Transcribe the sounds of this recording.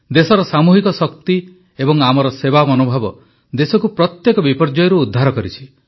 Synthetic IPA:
d̪esɔɾɔsamuɦikɔsɔkt̪i | ebɔŋamɔɾɔsebamɔnobʱabɔ | d̪esɔkupɾɔt̪jekɔbipɔɾd͡ʒɔjɔɾuːd̪ʱːaɾɔkɔɾit͡ʃʰi̥

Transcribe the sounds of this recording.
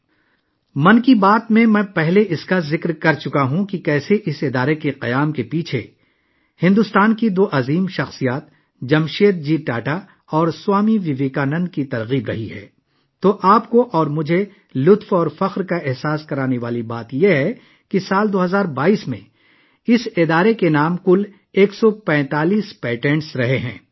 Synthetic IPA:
mɐ̃nkibaːt̪mẽmɛ̃ːpɛɦleʔɪskazɪkɾkɐɾt͡ʃʊkaɦũkikɛːseʔɪsɪd̪aːɾekeqɐjaːmkepiːt͡ʃʰḛ | hɪ̃nd̪ʊst̪aːnkid̪oːʔɐziːmʃɐxsijaːt̪̚ | d͡ʒɐmʃeːt̪̚d͡ʒiːʈaːʈa | ɔːɾswaːmiʋɪʋeːkaːnɐ̃nd̪̚kit̪ɐɾɣiːbɾɐɦiɦɛ̰ː | t̪oːʔaːpkoʔɔːɾmʊd͡ʒʱe | lʊt̪fɔːɾfɐqɾkaɪɦsaːskɐɾaːneʋaːlibaːt̪jeɦɛ | kisaːld̪oːɦɐzaːɾbaːiːsmḛ̃ | ɪsɪd̪aːɾekenaːmkʊl | eːksɔpɛ̃ːt̪aːliːspɛːʈɛ̃ːɳʈsɾɐɦeɦɛ̰̃ː

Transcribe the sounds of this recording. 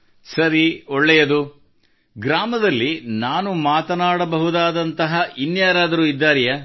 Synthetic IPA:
sɐɾiɔɭːɛjɐd̪u | ɡɾaːmɐd̪ɐlːinaːnumaːt̪ɐnaːɽɐbɐɦud̪aːd̪ɐnt̪ɐɦɐʔinjaːɾaːd̪ɐɾuːid̪ːaːɾijɐ

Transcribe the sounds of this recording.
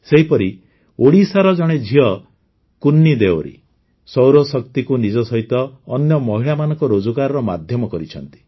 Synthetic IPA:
seɦipɔɾi | oɽisaɾɔd͡ʒɔɽ̃ed͡ʒʱiɔ | kunːid̪eɔɾḭ | sɔwɾɔsɔkt̪ikunid͡ʒɔsɔɦit̪ɔːnjɔmɔɦiɭamanɔ̃ŋkɔɾod͡ʒukaɾɔɾɔmad̪ʱjɔmɔkɔɾit͡ʃʰɔnt̪i̥

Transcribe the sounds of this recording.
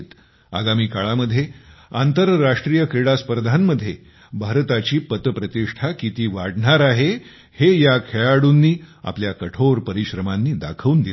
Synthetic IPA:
t̪ | a̰ɡamiːkaɭaməd̪ʱjeant̪əɾːaʂʈɾijəkɾeɽaspəɾd̪ʱanməd̪ʱːje | bʱaɾt̪at͡ɕiːpət̪əpɾət̪iʂʈʰakit̪iːʋaɽɳaɾaɦe | hejakʰeɭaɽuːnːiːa̰pljakəʈʰoɾpəɾiɕɾəmanːiːd̪a̰kʰəʋuːnd̪i

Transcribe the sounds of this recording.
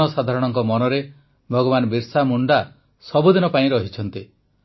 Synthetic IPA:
ɔsad̪ʱaɾɔɽ̃ɔŋkɔmɔnɔɾe | bʱɔɡɔβanɔbiɾsamuɳɖa | sɔbud̪inɔpaĩɾɔɦit͡ʃʰɔnt̪i

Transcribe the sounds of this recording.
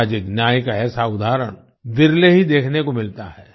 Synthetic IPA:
d͡ʒɪknjaːjikaɛːsaʊd̪ʱaːɾəɽ̃ | ʋɪɾleɦid̪eːkʰnekomɪlt̪aɦɛː

